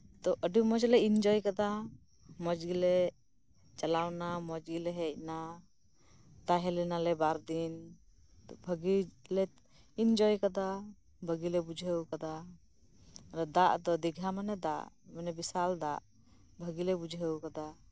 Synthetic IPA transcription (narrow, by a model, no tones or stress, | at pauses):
t̪ɔʔəɖumɔd͡ʒlɛind͡ʒɔjkad̪a | mɔd͡ʒɡilɛ | t͡ʃalawnamɔd͡ʒɡilɛɦɛc̚na | t̪aɦɛlɛnalɛbaɾd̪in | t̪ɔbʱəɡilɛ | ind͡ʒɔjkad̪a | bʱəɡilɛbud͡ʒʱɦəwkad̪a | ɾad̪aʔd̪ɔd̪iɡʱamanɛd̪a̰ʔmanɛbisald̪aʔ | bʱəɡilɛbud͡ʒʱɦəwkad̪a